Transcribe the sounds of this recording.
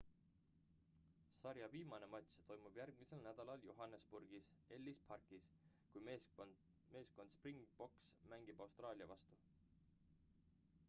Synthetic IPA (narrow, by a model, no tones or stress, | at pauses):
sɑɾjɑviːmɑne̞mɑt̪ʲst̪o̞jmub̥jærɡ̥̚mise̞lnæd̪̥ɑlɑljoɦɑnːespurɡ̥ise̞lʲːispʰɑrkis | kujme | me̞ːsko̞nd̪̥spriŋɡb̥o̞ksmæŋɡ̥ib̥ɑwst̪rɑːlʲiɑvɑst̪u